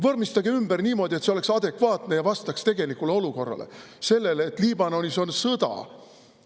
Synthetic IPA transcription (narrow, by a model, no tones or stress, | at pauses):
vɤrmist̪ɑɡeymberniːmo̞ːd̪̥ʲiet̪seo̞le̞ksɑd̪e̞kvɑːt̪ne̞jɑvɑst̪ɑkst̪e̞ɡ̥e̞likːuleo̞luko̞rːɑ̰le̞̰ | se̞lːe̞leːt̪ːˑliːbɑno̞nʲiso̞nsɤd̪ɑ̰